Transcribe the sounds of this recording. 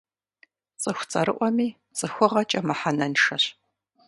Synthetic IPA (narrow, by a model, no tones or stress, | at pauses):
t͡sʼɨxʷt͡sʼɐ̰ɾɨʔʷɔmiː | t͡sʼɨxʷʊʁɐt͡ʃʼɐmaħanɐnʂɐɕ